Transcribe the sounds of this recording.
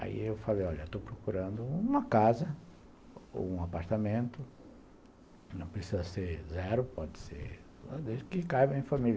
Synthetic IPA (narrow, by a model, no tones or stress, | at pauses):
a̰ḭewfalejɔʎɐewt̪owpɾokuɾɐ̃nd̪ʊũmɐkazɐ | o̰ũapaɾt̪amẽnt̪ʊ | nɐ̃w̃pɾesizɐseɾzɛɾʊpɔd͡ʒɪ̥sḛɾ | ad̪eʒɪkɪkajbɐẽj̃fãmilɐ